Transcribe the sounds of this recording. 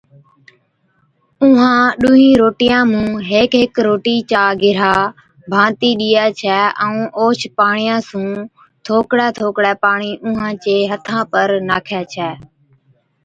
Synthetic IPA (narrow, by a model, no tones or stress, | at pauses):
ʊːɦãːɗʊːɦĩːɾoːʈijãːmũːɦeːkɦɪkɾoːʈiːt͡ʃaːɡɪɾaː | bʱãːt̪iːɗiːɛːt͡ʃʰɛːʔɛ̃ũːʔoːt͡ʃpaːɳɪjãːsũː | t̪ʰoːkɽɛːt̪ʰoːkɽɛːpaːɳiːʔʊ̃ːɦãːt͡ʃeːɦət̪ʰãːpəɾnaːkʰɛːt͡ʃʰɛː